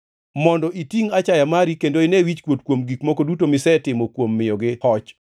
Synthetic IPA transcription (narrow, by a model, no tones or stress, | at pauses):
mɔndɔʔitiŋat͡ʃajamaɾikendoɪnɛwit͡ʃkwot̚kwomɡikmɔkodutomɪsɛtɪmokwomːɪjɔɡɪhɔt͡ʃ